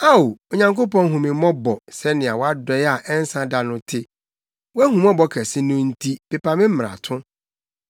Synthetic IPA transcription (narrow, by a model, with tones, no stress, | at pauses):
a˦o˨o˨ɲã˨ŋko˦pɔ̃˦ŋ˦ɦũ˨mɪ̃˨mɔ̃˦bɔ˨sɛ˦nɪ̃˨a˨wɔ˦a˦dɔ˨ja˨ʔɛ˦n˦sã˦da˨nʊ̃˦tʰɪ˦ | wɔ˦æ˦hũ˨mɔ̃˦bɔ˨kʰɛ˨sɪ̃˦nʊ̃˦n̩˦tʰi˦pɛ˨pa˨mɪ̃˦m̩˦m˨a̰˨tʰʊ̃˦